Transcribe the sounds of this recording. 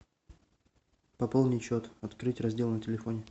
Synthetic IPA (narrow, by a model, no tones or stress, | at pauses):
pɐpolˠnʲɪt͡ɕot̪ɐt̪kɾɨtʲrɐzʲdʲe̞lˠnətʲɪlʲɪfonʲɪ